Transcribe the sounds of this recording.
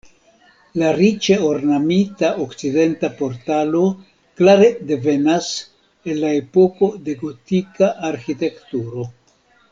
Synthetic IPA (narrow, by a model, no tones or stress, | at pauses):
laɾit͡ʃeo̞ɾnamitaʔokt͡side̞ntapo̞ɾtalo̞ | klaɾe̞de̞ve̞nas | e̞nlae̞po̞ko̞d̪e̞ɡo̞t̪ikaʔːɾxite̞kt̪uɾo̞